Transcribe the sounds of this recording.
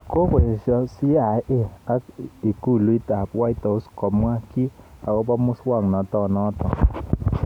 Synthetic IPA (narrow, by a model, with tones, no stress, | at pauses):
ko˦ke˨ʃɔ˦si˦a˨˦ʔe˦a˦i˨ku˦˨lu˨˦i˦ta˨pwa˦i˦ta˨ʊ˦skɔ˨mwa˦ki˦a˨ɡɔ˦pɔ˦mʊ˦swa˦˨ŋnɔ˨tɔ˦nɔ˨˦tɔ̰˨